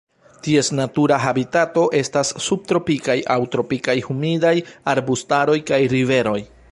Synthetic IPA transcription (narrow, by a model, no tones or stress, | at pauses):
tie̞snatuɾaɦabitato̞ʔe̞stasːub̚t̪ɾo̞pikajʔawtɾo̞pikajhumidajaɾbustaɾo̞jkajɾive̞ɾo̞j